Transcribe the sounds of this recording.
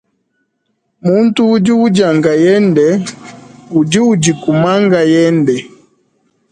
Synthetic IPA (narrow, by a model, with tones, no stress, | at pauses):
mu˦ntuː˦d͡ʒi˦u˦d͡ʒa˨ŋɡa˨jɛ˦ndɛ˨ | u˨d͡ʒi˦ud͡ʒi˨ku˨ma˦ŋɡa˨jɛ˦ndɛ˨